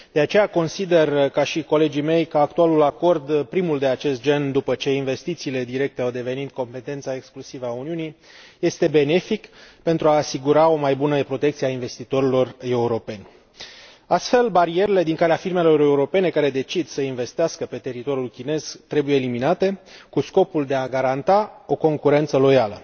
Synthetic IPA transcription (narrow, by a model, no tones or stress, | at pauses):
d̪̥e̞at͡ʃe̞jako̞nsid̪e̞rkaʃiko̞le̞d͡ʒime̞jkəak̚t̪ualulako̞rd̪pɾimuld̪eat͡ʃe̞st̪̚d͡ʒe̞nd̪upət͡ʃe̞inve̞st̪it̪siːle̞d̪iɾe̞k̚t̪e̞awd̪e̞ve̞nit̪ko̞mpe̞t̪e̞nt̪sae̞ksklusivəauniuni | je̞st̪e̞be̞ne̞fikpe̞nt̪ɾuaːsiɡuɾao̞majbunəpɾo̞t̪ekt̪siainve̞st̪it̪o̞ɾilo̞re̞uɾo̞pe̞nʲ | ast̪fe̞lbaɾie̞ɾele̞d̪iŋkaleafirme̞lo̞ɾe̞uɾo̞pe̞ne̞kaɾe̞d̪e̞t͡ʃid̪səinve̞st̪easkəpe̞t̪e̞ɾit̪o̞ɾjulkʲine̞z̥t̪ɾe̞bujeːliminat̪e̞kusko̞puld̪e̞aɡaɾant̪ao̞ko̞ŋkuɾe̞nt̪səlo̞jalə